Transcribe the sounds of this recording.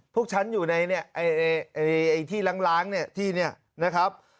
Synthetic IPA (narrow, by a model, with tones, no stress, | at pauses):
pʰu˥˩k̚t͡ɕʰa˦˥njuː˨˩na˧jni˥˩ɐʔa˧˩ja˧jʔa˧ʔa˧jt̪ʰiː˥˩la˦˥ŋlaː˦˥ŋni˥˩ɐt̪ʰiː˥˩ni˥˩ɐ | na˦˥kʰɾa˦˥p̚